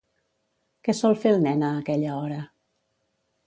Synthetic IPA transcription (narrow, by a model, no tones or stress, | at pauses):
kɛsɔlˠfelˠnɛnaːkɛʎaɔɾə